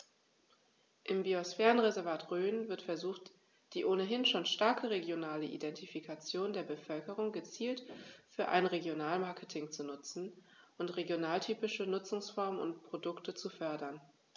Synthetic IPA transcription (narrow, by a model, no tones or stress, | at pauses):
ʔɪmbiosfɛːʁənʁezɛɐvaːtʁøːnvɪɐtfɛɐzuːxt | d̥iːʔoːnəɦɪnʃoːnʃtaɐkʰəʁeɡjonaːləʔḭdɛntifikʰat͡sjoːndeːɐbəfœlkəʁ̞ʊŋɡət͡siːltfyːɐʔa̰ɪnʁeɡjonaːlmaɐkʰətʰɪŋt͡sunʊt͡sn̩ | ʔʊntʁeɡjonaːltʰyːpɪʃənʊt͡sʊŋsfɔɐmənʊ̰ntpʁ̥odʊktət͡sufœɐdɐn